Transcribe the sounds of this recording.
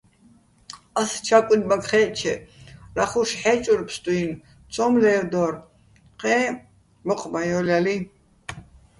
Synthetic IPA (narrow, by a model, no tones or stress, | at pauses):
ast͡ʃʰakʷʼinmakχɛːt͡ʃʰɛ̰ɾaχuʃħɛːt͡ʃʼuɾpʰst̪ʼuin | t͡sʰʼɔmlɛːwd̪ɔr | qʼɛː | mɔqʼmajɔlali